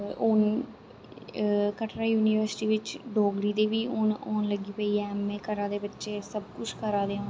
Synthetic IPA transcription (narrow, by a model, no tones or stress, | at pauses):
on | kəʈʰɾaːjuːniːʋəɾsʈiːʋɪt͡ʃɖoːɡɾiːd̪eːʋiːʊnoːnləɡiːpəiːɛːmːẽːkəɾãːd̪eːbətːʃeːsəb̚kʊt͡ʃʰkəɾaːd̪eːõː